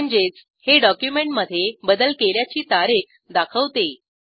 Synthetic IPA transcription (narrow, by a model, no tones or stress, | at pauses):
ɲd͡ʑet͡s | heɖɔkjumeɳʈməd̪ʱːjebəd̪əlkeljat͡ɕiːt̪aɾik | d̪akʰəʋt̪e